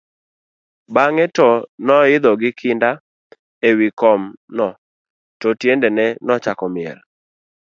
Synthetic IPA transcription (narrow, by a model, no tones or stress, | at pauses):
baŋɛtɔnɔɪd̪ɔɡɪkʰɪnda | ewikɔmnɔ | tɔtjendɛnɛnɔt͡ʃakɔmɪɛ̰l